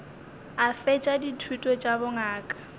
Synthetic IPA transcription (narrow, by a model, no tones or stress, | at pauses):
afɛt͡ʃʼaditʰutʼɔt͡ʃʼabʊŋaːkʼḁ